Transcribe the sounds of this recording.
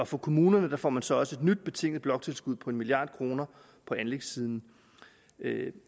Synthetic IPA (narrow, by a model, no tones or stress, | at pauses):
ɒ̽fɒ̽kʰo̝muːnɐnəd̥ɑ̈fɒ̰ːmænsɒ̽ɒ̽səe̝d̥nyd̥̚b̥e̝t͡sʰe̝ŋ̰ð̩ˠb̥lɒ̽ɡ̥̚t͡sʰe̝lsɡ̥uð̰ˠpʰɒ̽e̝nmilijɑ̰̈ːd̥̚kʰʁo̝ːnɐ | pʰɒ̽ænleɡ̥siːð̞ˠn̩